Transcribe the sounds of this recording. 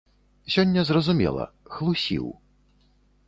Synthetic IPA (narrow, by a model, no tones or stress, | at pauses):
sʲɔnʲːɐzrɐzumʲɛ̰lˠɐ̰xlˠusʲḭw